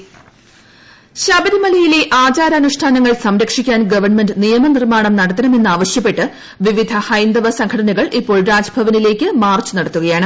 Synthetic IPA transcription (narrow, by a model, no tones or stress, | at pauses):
ɕɐbɐðimɐlɐjile̞ʔaːt͡ɕaːɾɐːnuʂʈʰaːnɐŋːɐɭsɐmɾɐkʂikʲːaːnɡɐʋɐrɳmendɨnijɐmɐnirmaːɳɐmnɐɽɐt̪ːɐnɐme̞nːaːʋɐɕjɐp̬ːe̞ʈːɨ | ʋiʋid̪ʱɐhɐjnd̪ɐʋɐsɐŋkʰɐʈɐnɐɣɐɭʔipːo̞ːɭɾaːd͡ʑɐbʱɐʋɐnile̞ːkʲːɨmaːrt͡ɕɨnɐɽɐt̪ːuɣɐjaːɳɨ